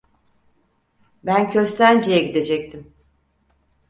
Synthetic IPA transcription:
bæncʰø̞st̪ʰænd͡ʒejɛɟid̪e̞d͡ʒɛc̚t̪ʰim

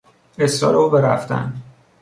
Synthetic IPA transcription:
e̞sɒ̰ːɾeuːbeɾæ̰ft̪æ̰nd̪

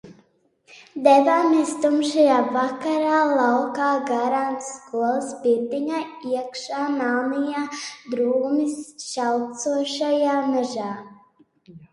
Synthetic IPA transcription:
d̪ɛvaːmiɛst̪umʃajaːvakaɾaːlˠawkaːɡaɾant̪sskuɔlˠəspiɾd̪iɲaːiɛkʃaːnawnijaːd̪ɾuːmisʃawt̪suɔʃajaːnaʒaː

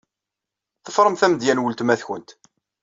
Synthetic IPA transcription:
θəfɾˤəmθæməd̪jænwəlt̪mæθçənt̪

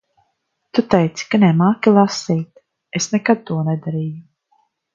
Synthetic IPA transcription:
t̪ut̪ɛjt̪si̥kanɛmaːkʲilˠasiːt̪ | esnɛkad̪̚t̪uɔnɛd̪aɾiːju

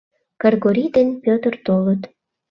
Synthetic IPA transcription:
kɑrɣoɾʲid̪enpʲøt̪ərt̪olət̪

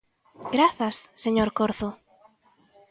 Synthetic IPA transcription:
ɡ̥ɾaθasːeɲoɾkoɾθo

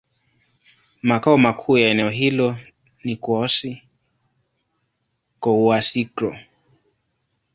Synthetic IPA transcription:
makaɔmakʰuːjaɛnɛɔɦilɔ | nikwɔsi | kɔuasikɾɔ

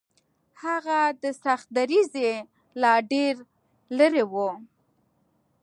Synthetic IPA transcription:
haɣad̪əsaxt̪̚d̪aɾize | lɑɖeɾ | ləɾewu

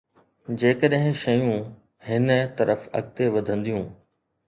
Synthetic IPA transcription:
d͡ʑeːkəɗɦɪ̃ʃɐjũ | hɪnət̪ɐɾʔəfɐ̰ɡt̪eʋɐd̪ʱə̃nd̪ijũː

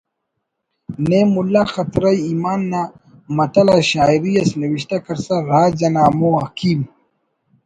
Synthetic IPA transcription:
nemulːaxɐt̪ɾɐjiːmaːnːa | mɐt̪ɐlaɕaːiɾijɐsnɐwiɕt̪akɐɾsaɾaːd͡ʑɐnaːmoɐkiːm

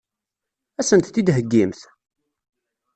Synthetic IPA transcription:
æsənt̪θid̪ɦəɡːimθ

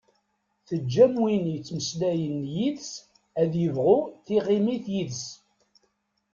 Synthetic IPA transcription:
θəd͡ʒːæmwinjət͡sːməslæjənjiðs | æðjəvʁʊθiʁimiθjiðs

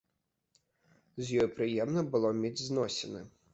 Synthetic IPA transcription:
zʲjɔjpɾɨjɛmnɐbɨlˠɔmʲed͡zʲznɔsʲɛnɐ

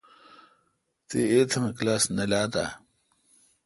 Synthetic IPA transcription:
t̪eeːt̪ʰɐmeklaːsnɐlaːt̪a̰

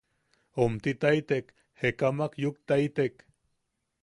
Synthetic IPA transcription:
omt̪it̪ait̪ek | hekamakjukt̪ait̪ek

